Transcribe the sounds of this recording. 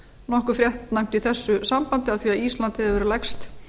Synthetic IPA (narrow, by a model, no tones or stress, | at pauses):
nɔhkʏfɾjɛht̪najm̥t̪iθɛsːʏsampant̪ɪaðθviːaðist̪lant̪ɪhɛvɛɾlɛkst̪